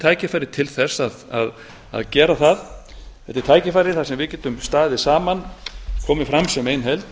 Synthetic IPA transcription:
t̪ʰaːjcɪfaːjɾɪt̪ʰɪlθɛsːaða̰ð | a̰ðcɛːɾaθað | ɛft̪ɪɾ̥t̪ʰaːjcɪfajɾɪθasɛmvɪðcɛːt̪ʏmst̪aːðɪsaːmankʰɔːmɪfɾamsœmeːjnɦɛlt̪

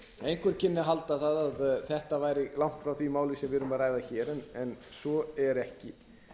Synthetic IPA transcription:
ejŋkʰɛɾ̥cʰɪnːɪɦalt̪aθaðaðθɛht̪avaːjɾɪlawŋ̥t̪fɾawθvimaːwlɪsɛmvɪðɾʏmaɾaːjðaçɛːɾɛnɛnsɔɛɾɛhcɪ

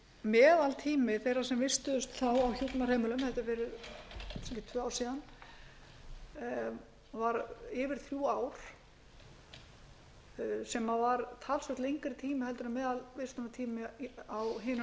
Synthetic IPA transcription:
mɛːðalt̪ʰiːmɪθejrasɛmvɪst̪ʏðʏst̪θawawçuːt̪nar̥eːjmɪlʏmhɛft̪ɪɾvɛːɾɪsɛcɪt̪ʰvœːawɾ̥siːðan | vaɾɪvɪɾ̥θɾjuːaːwɾ̥ | sɛmavaɾt̪ʰaːlsvɛht̪lejŋkɪɾt̪ʰiːmɪhɛlt̪ʏɾamɛːðalvɪst̪ʏnat̪ʰiːmɪawɦɪːn

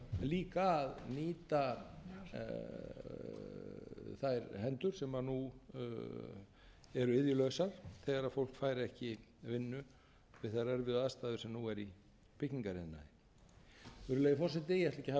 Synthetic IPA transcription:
liːkaðniːt̪a | θajɾhɛnt̪ʏɾ̥sɛmaðnu | ɛɾɪðjʏlœsaɾ̥θɛɣaɾaðfowl̥kfaːjɾɛhcɪvɪnːʏ | vɪðθarɛɾvɪðaðst̪aːðʏɾ̥sɛmnuɛɾi | pʰɪhciŋkaɾɪnːa̰ | ʏɾʏlɛjɪfɔrsɛt̪ɪjɛht̪lɛhcɪha

